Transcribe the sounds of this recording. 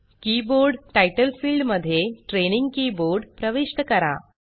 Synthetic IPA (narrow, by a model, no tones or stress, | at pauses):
kiboɾɖʈajʈəlfiːlɖməd̪ʱːjeʈɾeniŋɡkiːboɾɖpɾəʋiʂʈəkəɾa̰